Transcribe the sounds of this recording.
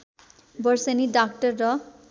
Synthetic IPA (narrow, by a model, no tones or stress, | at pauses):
bʌɾseniɖakʈʌɾːɔ